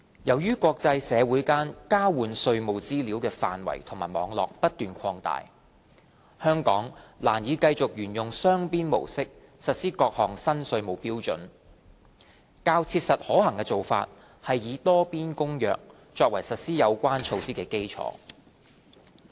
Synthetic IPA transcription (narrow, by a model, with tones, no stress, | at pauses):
jɐ˨˩wjyː˥kʷɔː˧k̚t͡sɐ˧jsɛː˨˧wuː˨˥jkaː˥nkaː˥wuː˨˧nsɵ˧ɥmo˨wt͡siː˥liː˨˥wkɛː˧fa̰ː˨nwɐ̰˨˩jt̪ʰʊ˨˩ŋmaː˨˩jmɔː˨˧˥ŋlɔ̰ː˨k̚pɐ˥t̚t̪yː˨nkʰɔː˧ŋt̪a̰ː˨j | hœː˥ŋkɔ̰ː˨˥ŋlaː˨˩njiː˨˧kɐ˧jt͡sʊ˨k̚jyː˨˩njʊ˨ŋsœː˥ŋpiː˥nmo̰˨˩wsɪ˥k̚ | sɐ˨t̚siː˥kɔː˧k̚hɔː˨ŋsɐ˥nsɵ˧ɥmo˨˩wpiː˥wt͡ʃɵ̰˨˥n | kaː˧wt͡sʰiː˧t̚sɐ˨t̚hɔː˨˥hɐ˨˩ŋkɛː˧t͡so˨wfa̰ː˧t̚ | hɐ˨jːiː˨˧t̪ɔː˥piː˥nkʊ˥ŋjœ̰ː˨k̚ | t͡ʃɔː˧k̚wɐ˨˩jsɐ˨t̚siː˥jɐ˨˧wkʷaː˥nt͡ʃʰo˧wsiː˥kɛː˧ke˥jt͡ʃʰɔ̰ː˧˥